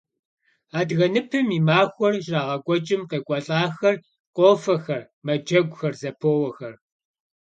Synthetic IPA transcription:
aːdɣɐnɨpʰɨmiːmaːxʷɔrʒraːʁɐɡʷʼɔt͡ʃʼɪmqeːkʷʼɔɬʼaːxɐr | qʷʼoːfɐxɐr | mɐd͡ʒɐɡʷʊxɐrzɐpʰoːwɐxɐr

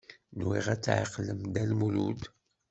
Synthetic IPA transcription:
nwḭʁæt͡sːʕḭqləmd̪ælmulṵd̪

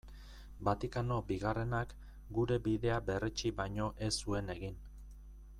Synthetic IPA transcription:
bat̪ikano̞biɣare̞nak | ɡuɾe̞biðe̞abe̞ret͡ʃiβajɲo̞ʔe̞sue̞ne̞ɣin

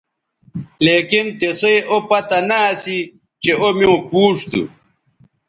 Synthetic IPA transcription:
leːkint̪esjʔopɐt̪ɐnaːsi | t͡ɕeomjõkuːʂt̪ṵ

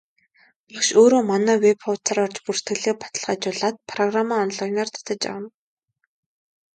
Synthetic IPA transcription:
pakʃoːɾoːmanæːwepɔwt͡sʰaɾɔrt͡ɕpur̥t̪ɡɘ̆ɮeːpḁt̪ə̆ɮʁaːt͡ɕʊɮaːt̪̚pʰrɔɣramaːɔnɮajnert̪ʰḁt̪ə̆t͡ɕa̰wə̆n

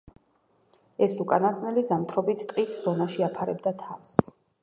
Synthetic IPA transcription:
ɛsukʼanasnɛlizamt̪ʰɾɔbit̪ʰt̪ʼqʼisz̥ɔnaʃiapʰaɾɛbd̪at̪ʰafs

